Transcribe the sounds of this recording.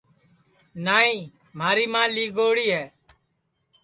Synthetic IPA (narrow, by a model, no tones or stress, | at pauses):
naːĩː | m̤aːɾiːmãːliːɡoːɽiːɦɛː